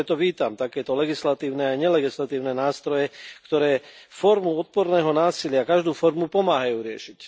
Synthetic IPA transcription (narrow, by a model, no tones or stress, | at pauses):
ɛt̪ɔʋiːt̪amt̪akɛːt̪ɔlɛɡislat̪iːʊnɛajɲɛlɛɡislat̪iːʊnɛnaːst̪ɾɔjɛkt̪ɔɾɛːfɔɾmuɔt̪̚pɔɾnɛːɦɔnaːsilɪakaʒd̪uːfɔɾmupɔmaːɦajuːɾɪɛ̰ʃic